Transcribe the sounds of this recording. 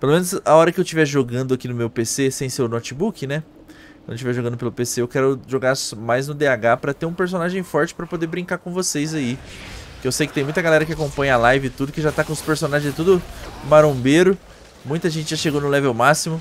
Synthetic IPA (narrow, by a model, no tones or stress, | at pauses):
pelomẽnʊzaɔɾɐkɪewt͡ʃivɛʒoɡɐ̃nd̪ʊakinʊmewpesesẽj̃sewnɔt͡ʃɪbukɪnɛ | kɐ̃nd̪ʊʃt͡ʃivɛʒoɡɐ̃nd̪ʊpelʊpeseewkɛɾʊʒoɡaɾsmajznʊd̪eaɡapɾɐt̪eɾũpeɾsonaʒẽj̃fɔɾt͡ʃɪ̥pɾɐpod̪eɾbɾĩŋkaɾkõvosejzai | kewsejkɪt̪ẽj̃mũj̃t̪ɐɡalɛɾɐkɪakõpɐ̃ɲɐalajvɪɪt̪ud̪ʊkɪʒat̪akõʊspeɾsõnaʒẽzɪt̪ud̪ʊmaɾõbeɾʊ | mũj̃t̪ɐʒẽnt͡ʃɪʒaʃeɡownʊlɛvewmasimʊ